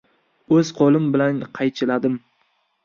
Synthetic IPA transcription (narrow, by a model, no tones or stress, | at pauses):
ɵz̥qʰɒlˠɪmbɪlanqʰɑjt͡ʃʰɪlad̪ɪm